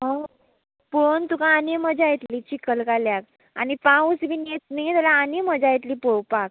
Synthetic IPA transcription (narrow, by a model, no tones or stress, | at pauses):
ɦɔ | pont̪ukãːneməd͡ʑajit̪liːt͡ɕikəlkaljak̚ | a̰nipãusbʱinet͡snijet̪əlaːneməd͡ʑajit̪liːpowpak̚